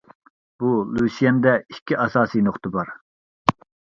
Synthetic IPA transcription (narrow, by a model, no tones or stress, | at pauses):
b̥ulˠusijɛnd̪ɛikʲʰːiʔɑsɑːsijnoχt̪əbɑɾ